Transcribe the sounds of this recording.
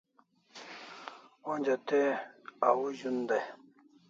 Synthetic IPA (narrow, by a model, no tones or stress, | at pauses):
õnd͡ʑat̪eawuʑund̪a